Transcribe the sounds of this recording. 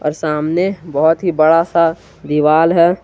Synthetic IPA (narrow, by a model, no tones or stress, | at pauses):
ɔ̰ːɾsaːmnebɔɦʊt̪ɦibɐɽasa | d̪iʋaːlɦɛː